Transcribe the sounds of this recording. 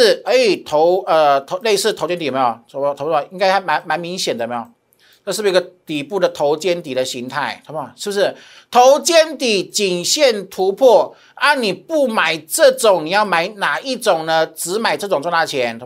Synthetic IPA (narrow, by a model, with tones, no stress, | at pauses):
ə˧˥˨t̪ʰo˧˦ʊə˧t̪ʰo˧˥le˥˧ɪsɹ̩˥˩t̪ʰo˧˥ʊt͡ɕjɛ˥nt̪i˨m˧˥jo˨˩˧t̪ʰo˧˦˧i˥ŋka˥ɪt̪a˥˩ɪma˧˥nma˧˥nmi˧˥ŋɕjɛ˨˩nd̪ə˩˨m˧˥jo˨˩ | ʈ͡ʂɤ˥˧ʂ̩˥˩˧ə˧t̪i˨˩pu˥˩ɾə˩t̪ʰo˧˥ʊt͡ɕjɛ˥nt̪i˨˩ɾə˦ɕi˧˥ŋt̪ʰa˥˩ɪt̪ʰo˧˦˧ʂɻ̩˥˩bu˧˩ʂɻ̩˥˩ | t̪ʰo˧˥ʊt͡ɕjɛ˥nt̪i˨˩t͡ɕi˨˩ŋɕjɛ˥˩nt̪ʰu˧˥pʰɔ˥˩ | a˥˩nni˨˩pu˥˩ma˨˩ɪʈ͡ʂɤ˥˩ʈ͡ʂʊ˨˩˦ŋni˨˩jɑ˥˩ʊma˨˩˦ɪna˨˩i˥˩ʈ͡ʂʊ˨˩ŋnə˦t͡sɹ̩˧˥ma˨˩ɪʈ͡ʂɤ˥˩ʈ͡ʂʊ˨˩ŋt͡swɔ˥˧˥na˥˩t͡ɕʰjɛ˧˦n˧˥